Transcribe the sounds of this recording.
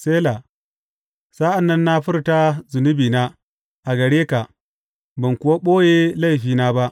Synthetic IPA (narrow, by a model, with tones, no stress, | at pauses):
seː˦la˨ | saː˦ʔa˨nːɐ˦nːa˦ɸʊ˦rta˦zʊ˨nʊ˦biː˨na˦ | ʔa˨ɡɐ˨ɽeː˦ka˨ | bɐ˨ŋkʷʊ˨wa˦ɓoː˦jeː˦la˦˨jɸiː˨na˦ba˦ʔ